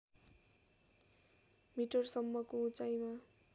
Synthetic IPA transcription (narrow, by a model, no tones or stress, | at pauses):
miʈʌrsʌmːʌkout͡sajma